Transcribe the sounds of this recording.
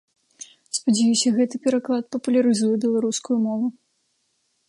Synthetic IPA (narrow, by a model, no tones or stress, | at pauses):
spɐd͡zʲɛjusʲɐɣɛt̪ɨpʲɛɾaklˠat̪̚pɐpulʲɐɾɨzujɛbʲɛlˠaɾuskujumɔvu